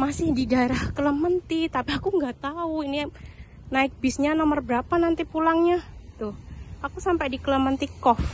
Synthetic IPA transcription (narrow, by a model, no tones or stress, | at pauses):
masɪhdidaeɾahkələmənt̪it̪apiakuŋɡat̪auini | naɪk̚bɪsɲanɔmərbəɾapanant̪ipulaŋɲat̪ʊakusampajdikələmənt̪ikɔf